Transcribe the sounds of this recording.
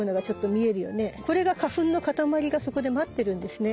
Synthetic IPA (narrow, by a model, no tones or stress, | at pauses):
onaɡat͡ɕo̞t̪ːo̞mʲie̞ɾɯ̟jo̞̰ne̞ko̞ɾe̞ɡakaɸɯ̟̃nːo̞kat̪amaɾʲiɡaso̞ko̞d̪e̞mat̪ːe̞ɾɯ̃nd̪e̞sɨne̞